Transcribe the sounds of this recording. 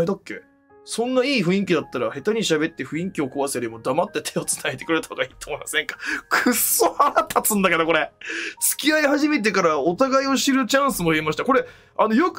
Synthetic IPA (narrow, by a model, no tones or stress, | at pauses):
ed̪akːe̞̰ | sõ̞nːaiːɸɯ̟ĩŋkʲid̪at̪ːaɾahe̞t̪aɲ̟iɕabe̞t̪ːe̞ɸɯ̟ĩŋkʲio̞koβasɨjaɾʲimod̪amat̪ːe̞t̪ʰe̞ot͡sɨ̥naet̪e̞kɯɾeɾt̪ahoɡaiːt̪oːmo̞imasẽ̞ŋkḁkʰɯsoaɾat̪ʰːat͡sɨ̃nd̪ake̞d̪oko̞ɾe̞t͡sɨ̥kʲiaiɦaʑime̞t̪̬e̞kaɾao̞t̪aɡaio̞ɕiɾɯ̟t͡ɕãɰ̃sɨmoiemaɕi̥t̪ako̞ɾe̞ | ano̞jok